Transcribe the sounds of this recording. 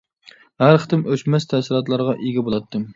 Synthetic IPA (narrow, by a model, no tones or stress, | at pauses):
hæɾqʰə̥t̪ɨmʔøt͡ʃmɛst̪ʰæsɪɾˠɑt̪lˠɑɾʁɑʔeɡʲɛbolˠɑt̪ʰːɨm